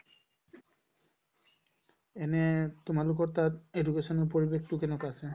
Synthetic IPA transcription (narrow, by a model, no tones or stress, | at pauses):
ɛnɛtʊmalʊk̬ɔɹtatedukesɔnɔɹpoɹibektʊkɛnɛkaasɛ